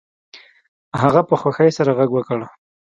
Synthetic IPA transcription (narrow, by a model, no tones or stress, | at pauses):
haɣapəxwaxajsaɾaɣaɡwəkəɽ